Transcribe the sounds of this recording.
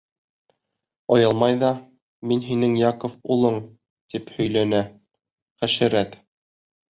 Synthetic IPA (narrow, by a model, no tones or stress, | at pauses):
ɒjɤlˠmɑjðɑ | minɦinɘŋjɑkŏfulˠɤɴ | t̪iphɵ̆jlænæ | χæʃɘ̆ɾæt̪